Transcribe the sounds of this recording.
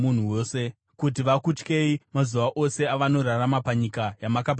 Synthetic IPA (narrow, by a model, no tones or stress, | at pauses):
un̤uwoːse̞ | kut̬iʋakut͡ʃke̞imazuʋaʔo̞se̞aʋano̞ɾaramapaɲikajamakap̬